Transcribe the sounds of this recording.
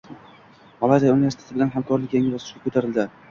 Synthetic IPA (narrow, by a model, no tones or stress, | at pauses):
mɒlˠad̪aunɪvesit̪et̪ɪbɪlanɦamkɒɾlɪkʲjaŋɪlɒzɪ̥ʃɡʲakʰɵt̪ʰaɾɪld̪ɪ